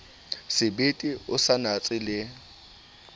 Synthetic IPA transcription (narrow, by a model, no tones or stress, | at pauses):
sɪbetʼiʊsanat͡sʼɪlɪ